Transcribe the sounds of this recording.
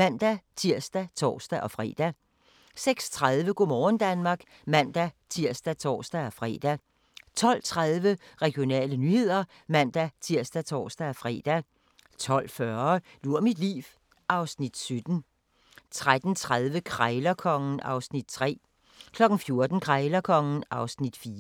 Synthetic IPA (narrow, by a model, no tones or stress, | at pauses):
mæn̰d̥æt͡sʰiɐ̰sd̥æt͡sʰɒ̰ːsd̥æʔɒ̽fʁɛ̰ːd̥æ | seɡ̥st͡sʰʁaðˠʋəɡ̥o̝mɒːn̩d̥ænmɑ̈ːɡ̥ | mæn̰d̥æt͡sʰiɐ̰sd̥æt͡sʰɒ̰ːsd̥æɒ̽fʁɛ̰ːd̥æ | t͡sʰɒ̽l̰t͡sʰʁaðˠʋəʁɛɡ̥jo̝nɛ̰ːlənyhe̝ð̞̰ˠɐ | mæn̰d̥æt͡sʰiɐ̰sd̥æt͡sʰɒ̰ːsd̥æfʁɛ̰ːd̥æ | t͡sʰɒ̽l̰fɶɐluɐ̰mid̥lḭːʋ | ʔɑ̈ʊsnid̥sød̥n̩ | t͡sʰʁad̥n̩t͡sʰʁaðˠʋəkʰʁaɪlɐkʰɒ̽ŋn̩ʔɑ̈ʊsnid̥̚t͡sʰʁɛ̰ː | kʰlɒ̽ɡ̥n̩fjo̝ɐd̥n̩kʰʁɑ̈ɪlɐkʰɒ̽ŋn̩ʔɑ̈ʊsnid̥fiːɐ